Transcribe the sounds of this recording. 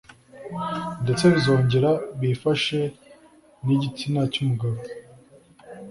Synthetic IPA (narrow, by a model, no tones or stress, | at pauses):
nde̞t͡se̞βizo̞ːɲɟe̞ɾaβifaʃe̞ | niɟit͡sinacumuɡaβo